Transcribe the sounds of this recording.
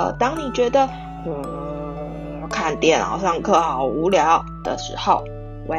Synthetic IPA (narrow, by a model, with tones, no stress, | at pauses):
ə̰˧˩t̪ɑ˥ŋni˨˩t͡ɕɥɛ˧˥d̪ə˨˥˧ | kʰa˥˧nt̪jɛ˥˩nɑ̰˨˩ʊɕjɑ˥˧ŋkʰɤ˥˩xɑ˨˩ʊu˧˥ljɑ˧˥ʊ | d̪̥ə̰˨˩ʂɻ̩̰˧˥xo˥˩ʊ | wʔe˧˩